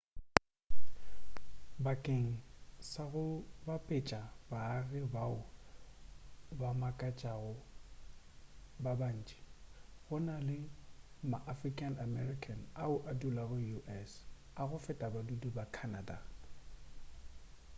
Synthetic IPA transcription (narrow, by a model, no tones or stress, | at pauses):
bakʼeŋ̩saɣʊbapʼɪt͡ʃʼabaːɣɪbaʊ | bamakʼat͡ʃʼaɣʊ | baban̩ːt͡ʃʼi̥ɣʊnalɪ | maʔafrikʼanamɛrikʰʼanaʊʔadulaɣʊjuʔɛs | aɣʊfɛtʼabadudubakʰanada̰